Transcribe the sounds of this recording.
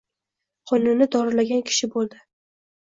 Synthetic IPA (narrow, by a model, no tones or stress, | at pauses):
qʰɒnʊnːɪd̪ɒɾɪɾlaɡʲankʲʰɪ̥ʃɪbolˠd̪ɪ